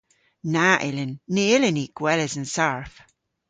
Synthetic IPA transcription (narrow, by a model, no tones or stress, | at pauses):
naʔɪlɪnːeɪlɪniɡ̥wɛlɪzə̃nsaɹf